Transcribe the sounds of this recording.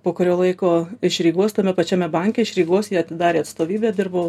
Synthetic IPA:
poːkʊɾʲoːlˠɐɪkoːɪʃɾʲiːɡuɔst̪ɐmʲɛpɐt͡ʃʲæmʲɛbɐŋʲkʲɛɪʃɾʲiːɡuɔsjiːɐt̪ʲɪd̪ɑːɾʲeːɐt̪st̪oːʋʲiːbʲeːd̪ʲɪrbɐʊ

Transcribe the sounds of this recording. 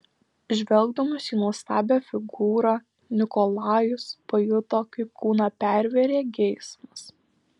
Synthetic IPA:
ʒʲʋʲɛlˠɡ̚d̪ɐmɐsiːnuɔst̪ɑːbʲæːfʲɪɡuːɾɑː | nʲɪkɔlˠɑːjʊspɐjʊt̪oːkɐɪpkʰuːnɑːpʲæˑɾʲʋʲeɾʲeːɡʲɛɪsmɐs

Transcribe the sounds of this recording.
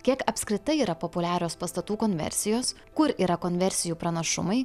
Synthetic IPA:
kʲiɛkɐpʲsʲkɾʲɪt̪ɐɪiːɾɐpopʊlʲæːɾʲoːspɐst̪ɐt̪uːkɔnʲʋʲɛ̰ɾʲsʲɪjoːs | kʊɾiːɾɐkonʲʋʲɛɾʲsʲɪjuːpɾɐnɐʃʊ̰mɐɪ

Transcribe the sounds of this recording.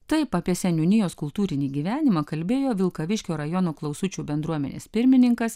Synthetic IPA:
t̪ɐɪpɐːpʲiɛsʲɛnʲunʲɪjoːskʊlˠt̪uːɾʲɪnʲiːɡʲiːʋʲæːnʲɪmɐːkɐlʲbʲeːjoːʋʲɪlˠkɐʋʲɪʃʲkʲoːɾɐjoːnoːklˠɐʊsʊt͡ʃʲuːbʲɛnd̪ɾuɔmʲɛ̰nʲḛːspʲɪɾʲmʲɪnʲɪŋkɐs

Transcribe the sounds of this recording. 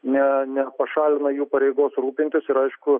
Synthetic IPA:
nʲɛnʲɛpɐʃɑːlʲɪnɐjuːpɐɾʲɛɪɡoːsɾuːpʲɪnt̪ʲɪsɪɾɐɪʃkʊ

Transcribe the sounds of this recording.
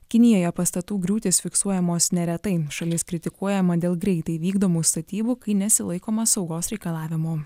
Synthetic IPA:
kʲɪnʲɪjoːjɛpɐst̪ɐt̪uːɡɾʲuːt̪ʲeːsfʲɪksuɔjɛmoːsnʲɛɾʲɛt̪ɐɪʃɐlʲɪskɾʲɪt̪ʲɪkuɔjɛmɐd̪ʲeːlˠɡɾʲɛɪt̪ɐɪʋʲiːɡd̪oːmuːst̪ɐt̪ʲiːbuːkɐɪnʲɛsʲɪlˠɐɪkoːmɐsɒʊɡoːsɾʲɛɪkɐlˠɑːʋʲɪmoː

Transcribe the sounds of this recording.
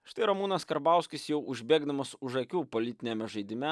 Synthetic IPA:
ʃt̪ɐɪɾɐmuːnɐskɐɾbɑˑʊsʲkʲɪsjɛʊʔʊʒʲbʲeːɡd̪ɐmɐsʊʒɐkʲuːpolʲɪt̪ʲɪnʲemʲɛʒɐɪd̪ʲɪmʲɛ

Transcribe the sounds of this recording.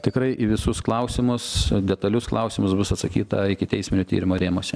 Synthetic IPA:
t̪ʲɪkɾɐɪʔiʋʲɪsʊsklˠɐʊsʲɪmʊsd̪ʲɛt̪ɐlʲʊsklˠɐʊsʲɪmʊsbʊsɐt̪sɐkʲiːt̪ɐɪkʲɪt̪ʲɛɪsʲmʲɪnʲʊːt̪ʲḭːɾʲɪmoːɾʲeːmoːsʲɛ

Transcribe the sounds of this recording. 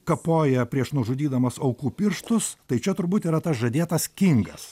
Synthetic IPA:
kɐpoːjɛpʲɾʲiɛʃnʊʒʊd̪ʲiːd̪ɐmɐsɐʊkuːpʲɪɾʃt̪ʊst̪ɐɪt͡ʃʲɛt̪ʊɾbuːt̪iːɾɐt̪ɐsʒɐd̪ʲeːt̪ɐskʲɪŋɡɐs

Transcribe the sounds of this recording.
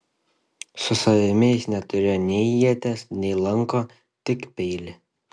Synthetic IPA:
sʊsɐʋʲɪmʲeɪsnʲɛt̪ʊɾʲeːjnʲɛɪiɛt̪ʲɛsnʲɛɪlˠɐŋkoː | t̪ʲɪkpʲɛɪlʲɪ

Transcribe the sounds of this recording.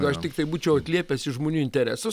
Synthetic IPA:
ɡʊɐʃt̪ʲɪk̚t̪ɐɪbuːt͡ʃʲɛʊɐt̪ʲlʲiɛpʲɛsɪʒmoːnʲuːɪnʲt̪ʲɛɾʲæ̰ːsʊ

